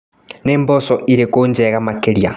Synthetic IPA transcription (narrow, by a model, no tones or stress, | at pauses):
neːmbosoʔiɾekoːɲd͡ʒeːɣamakeɾja̰